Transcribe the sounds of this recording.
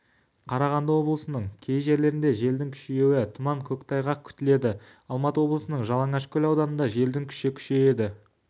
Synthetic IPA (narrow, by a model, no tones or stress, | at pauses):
qʰɑɾɑʁɑnd̪əwo̞blˠəsənəɴkʲʰe̞jʒe̞ɾle̞ɾɪnd̪eʒe̞ld̪ɪŋkʲʰʏ̥ʃje̞wɪt̪ʰʊmɑɴkʲʰɵkʲt̪ʰɑjʁɑkʲʰʏ̥t̪ɪle̞d̪ɪ | ɑlˠmɑt̪əwo̞blˠəsənəɴʒɑlˠɑɴɑʃkʲʰɵlɑwd̪ɑnənd̪ɑʒe̞ld̪ɪŋkʲʰʏ̥ʃekʲʰʏ̥ʃeed̪ɪ